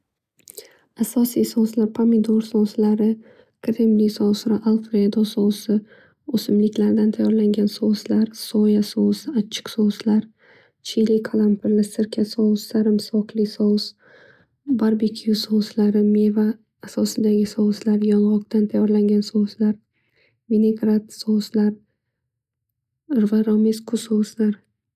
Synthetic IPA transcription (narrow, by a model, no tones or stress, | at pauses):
asɒsijsɒslaɾpʰamid̪oɾsɒslaɾɪ | kʰɾemlisɒsɾɪʔalˠfɾeed̪ɒsɒwsɪ | osɪmlɪkʲʰlaɾd̪ant̪ʰajɒɾlaŋɡʲansɒwslaɾsɒjasɒwsɪat͡ʃʰːɪ̥qsɒslaɾ | t͡ʃʰilikʰalˠampʰɪɾlɪsɪɾkʲʰasɒwsːaɾɪmsɒqʰlɪsɒs | baɾbekʲʰijusɒwslaɾɪmevaː | sɒsɪd̪aɡʲɪsɒwslaɾjɒnʁɒqt̪ant̪ʰajɒɾlaŋɡʲansɒwslaɾ | vineɡɾat̪sɒwslaɾ | ɾvaɾɒmeskʰʊsɒwslaɾ